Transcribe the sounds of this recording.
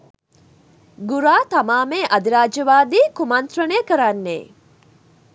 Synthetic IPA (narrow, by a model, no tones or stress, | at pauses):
ɡuɾaːt̪amaːmeːʔɐd̪iɾaːd͡ʒɐʋaːd̪iːkumant̪ɾɐneːkəɾanːḛː